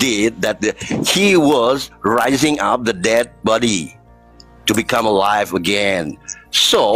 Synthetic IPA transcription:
dɪd̚ðɛt̚hiwɔzɹaɪzɪ̃ŋʔap̚ðədɛd̚bɔɾi | tubikʰʌ̃məlaɪvəɡɛ̃nso

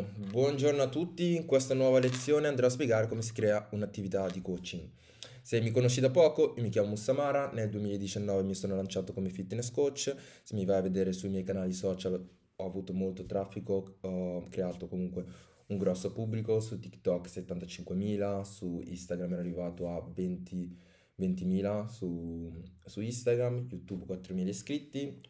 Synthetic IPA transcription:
bwɔnd͡ʒornoat̪ːut̪ːiŋkwest̪anwɔːvalet̪sːjoːneand̪ɾɔaspjeɡaːɾekomesi̥kɾɛːaunat̪ːivit̪ad̪ikot͡ʃiŋ | semːikonoʃːid̪apːɔːkoʔiomikjaːmomustːamaːɾaneld̪uemilaed̪ːit͡ʃanːɔːvemisoːnolant͡ʃaːt̪okomefit̪ːneskot͡ʃːsemːivaavːed̪eːɾesuimjɛjkanaːlisɔːt͡ʃal | ɔavuːt̪omolt̪ot̪ɾafːikoɔkɾeaːt̪okomuŋkwe | uŋɡɾɔsːopubːlikosut̪ːikt̪ɔkːset̪ːant̪at͡ʃiŋkwemiːlasuḭst̪aɡɾamːɛɾarːivaːt̪oavent̪ʰi | vent̪imiːlasu | suist̪aɡɾamjut̪ubkwat̪ːɾomiːlaiskɾit̪ːi

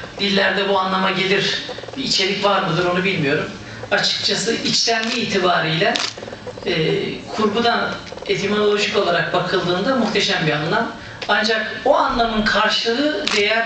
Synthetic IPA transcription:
d̪̥ilʲːæɾd̪ɛbuanlˠamaɟe̞lʲiɾbiːt͡ʃʰe̞lʲicvaɾmɯd̪ɯɾo̞nubilʲmijo̞ɾum | at͡ʃʰɯ̥k̚t͡ʃʰasɯʔit͡ʃlʲænd̪ʲiːt̪ʰibaːɾijlʲɛː | kʰuɾbud̪ane̞t̪ʰimolʲˠo̞ʒico̞lˠaɾak̚bakʰɯlˠd̪ɯːnd̪amuxt̪ʰe̞ʃæmbianlˠam | and͡ʒakoanlˠamɯnkʰaɾʃɯlˠɯɯd̪ejɛ

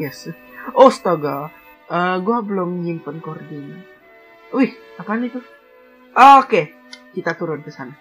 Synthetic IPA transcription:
jɛs | ost̪aɡa | əɡuabəlʊmɲimpənkordin | uhapanit̪u | ʔoke | kit̪at̪uɾʊnkəsana

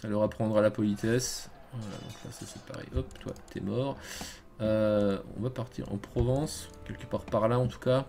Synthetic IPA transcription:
salɔʁapχɑ̃d̪ʁalapɔlit̪ɛs | vala̰d̪ɔ̃kla̰sasɛpa̰ʁɛ̰ʔɔpt̪wa̰t̪ɛ̰mɔʁ | øɔ̰̃vapaʁt̪ʰḭʁɑ̰̃pχɔvɑ̃skʲɛlkəpaʁpaʁlaɑ̃t̪u̥ka

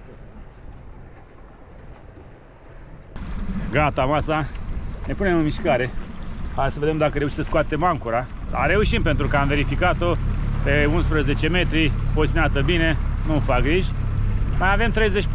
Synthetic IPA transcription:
ɡat̪amasane̞pune̞mɨnmiʃkaɾe̞asəved̪emd̪akəɾeuʃi̥səskoat̪e̞maŋkuɾa | d̪a̰ɾe̞uʃimpe̞nt̪ɾukəamve̞ɾifikat̪opeunspɾəze̞t͡ʃe̞me̞t̪ɾiosʲmiat̪əbine̞nufak̚ɡɾiʒʲ | majave̞mt̪ɾe̞jze̞t͡ʃʲ

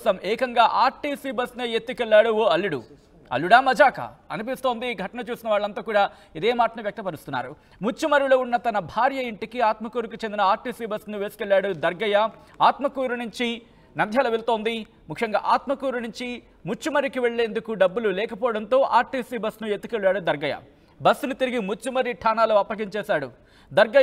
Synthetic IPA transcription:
sɐmɛːkɐŋɡaːʔaːɾʈiːsiːbɐsneːjet̪ːukɛlːaːɽuːɐlːuɽṵ | ɐ̰lːuɽaːmɐd͡ʒaːkɐ̰ɐnipist̪o̞ːnd̪iːɡʱɐʈɐnɐt͡ʃuːsinɐʋaːɭːɐnt̪aːkuːɽaː | id̪eːmaːʈɐnuʋjɐk̚t̪ɐpɐɾust̪unːa̰ːɾu | mut͡ʃːumɐɾiloːunːɐt̪ɐnɐbʱaːɾjɐiɳʈikiaːt̪mɐkuːɾukut͡ʃend̪inɐaːɾʈiːsiːbɐsnuʋe̞ːsi̥kɛɭːjaːɽud̪ɐɾɡɐjɐ | aːt̪mɐkuːɾunuɲt͡ʃi | nɐnd̪ʱjaːlɐʋeɭut̪o̞ːnd̪i | mukʰjɐŋɡa̰ːʔaːt̪mɐkuːɾunuɲt͡ʃi | mut͡ʃːumɐɾikiʋe̞ɭːeːnd̪ukuɖɐbːululɛːkɐpɔːɐɽɐnt̪o̞ːʔaːɾʈiːsiːbɐsnuet̪ːu̥kʋeɭːaːɽud̪ɐɾɡɐjɐ̰ | bɐsnut̪iɾiɡimut͡ʃːumɐɾiʈʰaːnaːluːɐpːɐɡiɲt͡ʃɛːsaːɽu | d̪ɐɾɡɐ

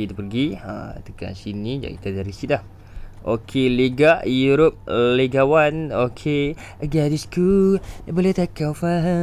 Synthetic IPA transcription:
it̪upərɡia̰t̪əka̰nsinĩd͡ʒa̰ʔit̪adaɾisilah | ʔokʰeleɡaʔjuɾop̚leɡawanokʰe | əɡadiskubolɛht̪akawfaɦə

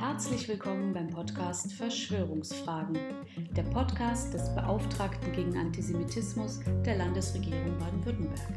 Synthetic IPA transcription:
hɛɐt͡slɪçv̥ɪlkʰɔmənbaɪmpʰɔtkʰaːstfɛɐʃv̥øːʁ̞ʊŋsfʁ̥aːɡŋ̩ | d̥eːɐpʰɔtkʰaːstd̥ɛsb̥əʔaʊftʁ̥aːktn̩ɡeːɡŋ̩ʔa̰ntʰizemitʰɪsmʊsd̥eːɐlandəsʁ̥eɡiːʁʊŋbaɐdn̩vʏɐtn̩bɛɐk

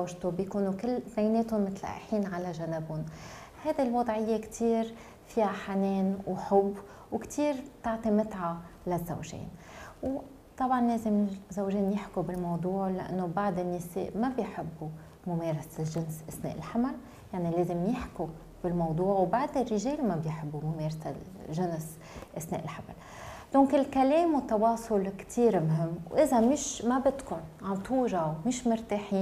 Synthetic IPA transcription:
zawʒt̪ubjkuːnukɪlːθnajneːt̪ʊmɪt̪lʔa̰ʔħiːnʕalaʒanɪbʊn | hajd̪ilwɑd̪ˤʕɪjːekt̪ʰiːɾ | fihaħaneːnwħʊbː | wkt̪ʰiːɾbt̪ɑʕt̪ˤimɪt̪ʕalazːa̰wʒḛːnw | t̪ˤɑbʕɑnleːzɪmzawʒeːnjɪħkubɪlmɑwd̪ˤuːʕlaʔa̰nːobaʕd̪ɪnːɪsḛːʔmabjħɪbːu | mʊmeːɾˤɑslʒɪnsʔasnḛːʔɪlħamal | jaʕnileːzɪmjɪħku | b̥ɪlmɑwd̪ˤuːʕwbaʕd̪ɪrːɪʒeːlmabjħɪbːumʊmeːɾˤasa̰ | ʒʊns | ʔasnḛːʔɪlħama̰l | d̪̥õːŋkɪlkaleːmwɪt̪ːɑwɑːsˤʊlkt̪ʰiːɾmɦɪmːwʔɪzamɪʃmabɪt̪kʊnʕat̪uːɾawmɪʃmʊɾt̪aːħiːn

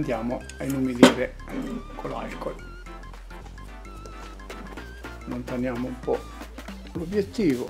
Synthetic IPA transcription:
nd̪jaːmo | ainumiliːɾe | kʰola̰lkol | nont̪anjaːmumpɔ | lobjet̪ːiːvʊ

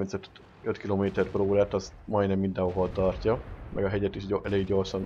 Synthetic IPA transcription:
rminsøt̪ | øt̪kiloːmeːt̪ɛrproːɾaːt̪ɒzmɒj̪nɛmːind̪ɛ̃ɦoɦolt̪ɒrcɒmʔɛ̰ɡɒɦɛɟɛt̪iʃʔɛleːɡɟo̞rʃɒn

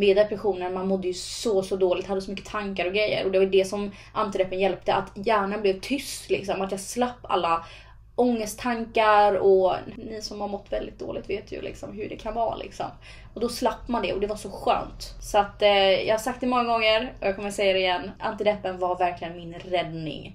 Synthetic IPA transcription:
meːd̪ɛpɾɛɧuːnənmanmɔd̪ːəjɵsɔsɔd̪oːlɪɡt̪had̪ːəsɔmʏkːə̥t̪ʰaŋkaɾɔɡɾɛjːə̰ɾɔd̪ɛvajd̪ɛsɔm | ʔant̪ɪd̪ɛpːənjɛlp̚t̪əʔat̪jæːɳanblɛvt̪ʰʏst̪lɪ̰ksɔmat̪jɑːɡslapːa̰lːa | ɔŋːəst̪t̪ʰːaŋkaɾɔnɪsɔmhaɾmɔt̪ːvɛld̪ɪt̪̚d̪o̰ːlɪt̪veːt̪ʰjɵ̰lɪ̰ksɔ̰mɦɵɖɛkʰanvɑ̰ːlʔɪ̰ksɔ̰m | ɔd̪ɔslapːmand̪ɛɔd̪ɛvaʂɔɧø̰ːnt̪sɔat̪jɑ̰ːɡhaɾsak̚t̪ɛmɔŋːaɡɔŋːəɾɔjɑɡkɔməsɛjːad̪ɛɪjɛnːa̰nt̪ɪd̪ɛpːənvaɾvæɾklɪɡənmɪnɾɛd̪nɪ̰ŋ

